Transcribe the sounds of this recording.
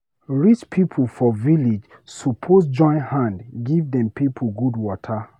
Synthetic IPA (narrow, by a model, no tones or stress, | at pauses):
ɹit͡ʃpʰipʰl̩fɔvilid͡ʒ | supʰosd͡ʒɔ̃ɪ̃nhãndɡivdɛ̃mpipʰuɡudwɔtʰə